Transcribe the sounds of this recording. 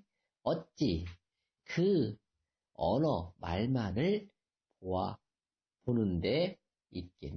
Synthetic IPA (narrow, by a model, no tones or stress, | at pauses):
ʌt̚t͡ɕ͈i | kɯ | ʌ̰nʌma̰ɭmanɯɭ | poa | ponɯnde̞ | it̚k͈ḛ